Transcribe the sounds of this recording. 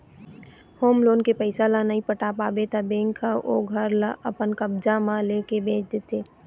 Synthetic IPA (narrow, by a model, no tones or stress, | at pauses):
hoːmloːnkepəɪsalanaipəʈaːpaːbet̪abẽːŋkʰaʔo̰ːɡʱəɾlaʔəpənkəbd͡ʒamãleːkebẽːt͡ʃd̪et̪eː